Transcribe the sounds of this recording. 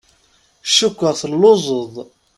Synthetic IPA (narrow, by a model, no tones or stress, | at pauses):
ʃukʷːəʁθəlːozˤəðˤ